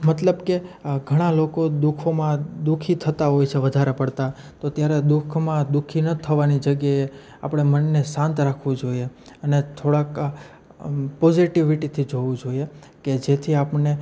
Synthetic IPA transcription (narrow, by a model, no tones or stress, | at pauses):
mət̪ləbkeɡʱəɽ̃alokod̪ukʰomãd̪ukʰit̪ʰət̪aɦojt͡ʃʰeʋəd̪ʱaɾepəɽt̪a | t̪ot̪jaɾed̪ukʰmãd̪ukʰinət̪ʰːəʋanid͡ʒəɡjae | a̰pɽ̃emənːesãnt̪ɾakʰʋũd͡ʒoieənet̪ʰoɽak | pɔziʈiʋiʈit̪ʰid͡ʒoʋũd͡ʒoieked͡ʒet̪ʰiapɳe